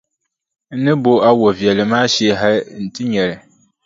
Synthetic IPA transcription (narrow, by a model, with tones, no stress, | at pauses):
n̩˦nɨ˦bo˦a˦wɔ˨vi˨ɛ˨lɨ˨maː˦ʃɛ˦ɦa˦n̩˨tɪ˦ɲɛ˨ɾɪ˨